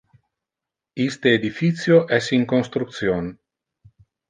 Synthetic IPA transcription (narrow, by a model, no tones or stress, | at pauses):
ist̪eːd̪ifit̪sjoʔɛsiŋkonst̪ɾukt̪sjon